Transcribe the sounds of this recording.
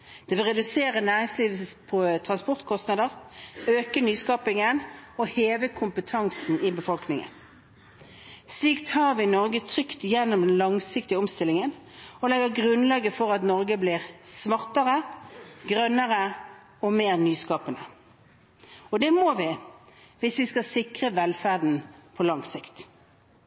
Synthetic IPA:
d̪̥ɛʋɪlʁɛd̪ʉseːʁənæːʁɪŋsliːʋl̩səspʰɔt̪ʰʁɑnspɔʁt̪kʰɔst̪nɑd̪əʁøːkənyːskɑːpɪŋənɔheːʋəkʰʊmpət̪ʰɑŋsn̩ɪbəfɔlknɪŋə̰n | sliːkt̪ʰɑːʁʋɪnɔʁɡət̪ʰʁʏkt̪jɛnːɔmd̪ɛnlɑŋsɪkt̪ɪəɔmst̪ɪlɪŋən | ɔlɛɡəɾɡʁʉnlɑːɡəfɔʁɑt̪nɔʁɡəblɪʁsmɑʁt̪əʁəɡʁœnːəʁə | ɔmeːʁnyːskɑːpənə | ɔd̪ɛmoːʋɪ | ʋɪsʋɪskɑsɪkʁəʋɛlfæʁd̪n̩pʰɔlɑŋsɪkt̪

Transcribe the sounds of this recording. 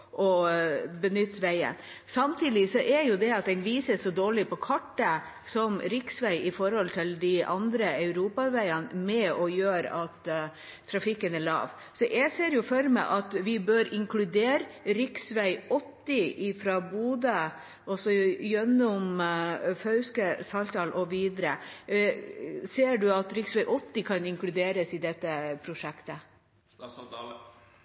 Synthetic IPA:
ʔɔbənʏt̪ːʋæɪə̰n | sɑmt̪ʰiːd̪ɪsɔʔæɾjʊd̪ɛɑt̪̚d̪ɛnʋiːsəsɔd̪oːɭɪpɔkʰɑʈːə | sɔmɾɪksʋæɪɪfɔɾhɔlt̪ʰɪld̪ɪʔɑ̰nd̪ɾəœʉɾuːpɑʋæɪənmɛɔjøːɾɑt̪ʰː | ɾɑfɪkːənæɭɑ̰ːʋ | sɔʔæseːɾjʊfœɾmɛ̰ʔɑt̪ʋɪbøːɾʔɪŋklʉd̪eːɾɾɪksʋæɪɔt̪ːɪʔɪfɾɑbuːd̪ə | ʔɔsɔjœnːʊm | fœʉskəsɑlt̪ʰɑːlʔɔʋiːd̪əɾə | seːɖʉɑt̪ɾɪksʋæɪʔɔt̪ːɪkʰɑnɪŋklʉd̪eːɾəsɪd̪ɛt̪ːəpʰɾʊʂɛkt̪ə

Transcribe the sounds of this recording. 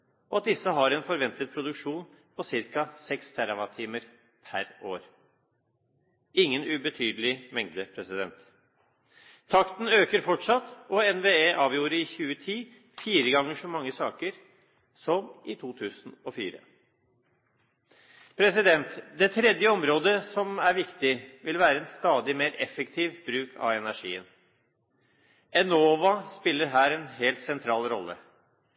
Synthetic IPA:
ɔɑt̪̚d̪ɪsːəɦɑɾɛnfɔɾʋɛnt̪ət̪̚pʰɾʊd̪ʉkʂuːn | pʰɔsɪɾkɑsɛkst̪ʰæɾɑʋɑt̪ʰiːməɾ | pʰæɾoːɾ | ɪŋːənʉbət̪ʰyːd̪əlɪmɛŋd̪əpʰɾɛsɪd̪ɛnt̪ | ɑkt̪n̩øːkəɾfɔʈʂɑt̪ːɔɛnʋeːeːʔɑːʋjuːɾəɾɪçʉːət̪ʰiː | fiːɾəɡɑŋːəʂɔmɑŋːəsɑːkəɾ | sɔmʔɪt̪ʰuːt̪ʰʉːsn̩ɔfḭːɾə̰ | pʰɾɛsɪd̪ɛnt̪d̪ɛt̪ʰɾɛd̪jəɔmɾoːd̪əsɔmæɾʋɪkt̪ɪʋɪlʋæːɾəɛnst̪ɑːd̪ɪmeːɾɛfɛkt̪ʰiːʋbɾʉːkʰɑ̰ʋɛnæʂḭːə̰n | ɛnoːʋɑspɪlːəɾɦæːɾɛnɦeːlt̪sɛnt̪ʰɾɑːlɾɔ̰lːə̰

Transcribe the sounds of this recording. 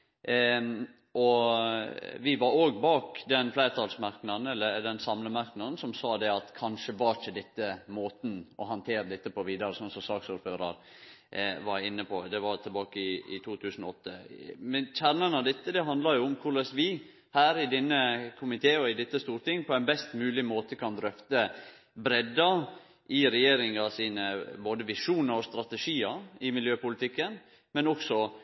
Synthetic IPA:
ʔɔ | ʋɪʋɑɾoːɡbɑːkd̪ɛnflæɪɾt̪ʰɑlsmɑɾknɑd̪n̩ɛlːəɾd̪ɛnsɑmləmɑɾknɑd̪n̩sɔmsɑːd̪ɛɑt̪kʰɑnʂəʋɑɾçəd̪ɛt̪ːəmoːt̪n̩ɔɦɑnt̪ʰeːɾəd̪ɛt̪ːəpʰɔʋiːd̪ɑɾəsɔnsɔmsɑːksuːɾføːɾɑ̰ɾ | ʋɑɾɪnːəpʰɔd̪ɛʋɑɾt̪ʰɛlbɑːkəɪɪ̰t̪ʰuːt̪ʰʉːsn̩ɔɔt̪ːəmɛnçæɾnənɑʋd̪ɛt̪ːəd̪ɛɦɑnd̪lɑɾjʊʊmkʰʊɭɛsʋɪ | hæːɾɪd̪ɛnːəkʰʊmɪt̪ʰeːɔɪd̪ɛt̪ːəst̪uːɾt̪ɪŋːpʰɔænbɛst̪mʉːlɪmoːt̪əkʰɑnd̪ɾœft̪ə | bɾɛd̪ːɑ | ʔɪɾɛjeːɾɪŋɑsiːnəboːd̪əʋɪʂuːnəɾɔst̪ɾɑt̪əʂiːɑɪmɪljøːpʊlɪt̪ʰɪkːən | mɛnɔksɔ

